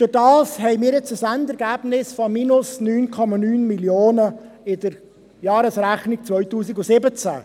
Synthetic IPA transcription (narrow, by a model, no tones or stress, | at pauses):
d̥ʊɾdɑːshɛɪmiːɾjɛt͡səsandɛɾɡæːb̥nɪsfɔminʊsnyːnkʰɔmɑnyːnmiljoːnəɪdəɾ | jɑːɾəsɾæχnik̚t͡svœʏtuːsiɡʊsɪbət͡sæ̰